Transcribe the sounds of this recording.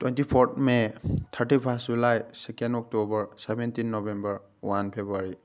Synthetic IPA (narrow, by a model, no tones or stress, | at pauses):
twentipʰɔɹt̚ʰmet̪ʰəɹtipʰasd͡ʒulajsɛkendɔk̚tobəɹsebentinːɔbembəɹ | wanpʰebuaɹi